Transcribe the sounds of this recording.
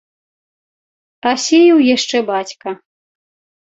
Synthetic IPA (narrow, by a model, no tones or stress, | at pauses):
asʲejiwjaʂt͡ʂɛbat͡sʲkɐ